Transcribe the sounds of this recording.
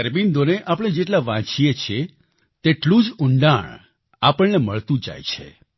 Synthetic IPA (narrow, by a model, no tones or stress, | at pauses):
əɾbind̪oneʔapɽ̃ed͡ʒeʈlaʋãt͡ʃijet͡ʃʰe | t̪eʈlũd͡ʒʊɳɖaɳ | apəɳneməɭt̪ũd͡ʒa̰jt͡ʃʰḛ